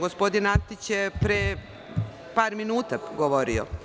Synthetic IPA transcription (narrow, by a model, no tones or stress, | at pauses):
ɡospo̞d̪inant̪it͡ɕjepɾe | paːɾminuːt̪aɡoʋoɾḭo̰